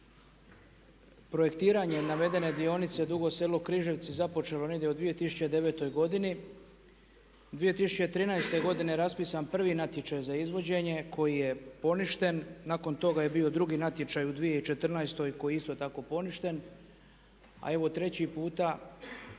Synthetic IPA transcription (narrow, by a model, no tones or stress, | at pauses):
pɾoje̞kt̪iːɾaɲe̞naʋe̞d̪e̞ne̞d̪io̞nit̪se̞d̪uɡo̞selokɾiːʒe̞ʋt̪sizapo̞t͡ʃe̞loned̪jeud̪ʋije̞t̪isu̥t͡ɕed̪e̞ʋe̞ːt̪o̞jɡo̞d̪ini | d̪ʋije̞t̪isu̥t͡ɕe̞t̪ɾiːnajst̪e̞ɡo̞d̪ineɾaspiːsanpr̩ʋiːnat̪je̞t͡ʃajzaizʋo̞d͡ʑe̞ɲe̞kʰo̞jije̞po̞niʃt̪e̞nːaːko̞nt̪o̞ɡaje̞bio̞d̪ɾuɡiːnat̪je̞t͡ʃajud̪ʋije̞it͡ʃe̞t̪r̩naest̪o̞jko̞jeist̪o̞t̪ako̞po̞niʃt̪e̞n | a̰e̞ʋo̞t̪ɾe̞t͡ɕipuːt̪a